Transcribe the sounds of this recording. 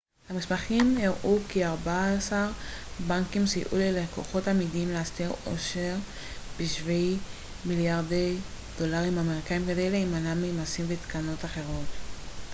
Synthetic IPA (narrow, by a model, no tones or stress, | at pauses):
hamismaχimjeʁʔukiaʁbasaʁbaŋkimsḭʔṵleleko̞̰χo̞tamidimleastiʁo̞̰ʃeʁ | b̥iʃvil | miljaʁdej | d̥o̞laʁimameʁikaimɡadeleimanamejmasimvet̪kano̞taχe̞ʁo̞t̪